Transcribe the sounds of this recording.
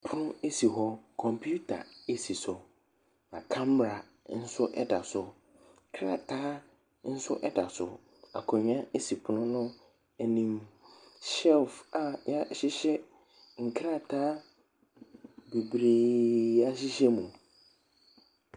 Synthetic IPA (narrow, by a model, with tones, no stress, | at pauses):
pʰʊ˦nʊ̃˦e˦si˨ɦɔ˦kʰɔ̃˨mpʰu˦tʰa̰˨e˦si˨sʊ˨ | nã˨kʰã˦m˨ɾa˨ | n̩˦sʊ˦ʔɛ̰˦da̰˨sʊ˨ | kʰɾa̰˨tʰaː˦ | n̩˦sʊ˦ʔɛ˦da̰˨sʊ̰˨ | a̰˨kʰɔ˨ɲᶣ˦ã˦e˦si˨pʰʊ˨nʊ̃˦nʊ̃˦ | ɛ˨nĩ˨m | sɛ˦lfa˨ja˦ɕɪ˦ɕɛ˦ | ŋ̩˨kʰɾa˦˨tʰaː˦ | be˨bɾeː˨a˦ɕɪ˦ɕɛ˦mũ˨